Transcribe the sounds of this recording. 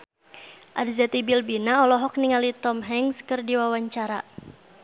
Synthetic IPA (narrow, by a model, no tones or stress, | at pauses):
ʔadzɛt̪ibilbinaɔlɔɦɔk̚niŋalit̪ɔmɦɛŋskɨrdiwawaɲt͡ʃaɾa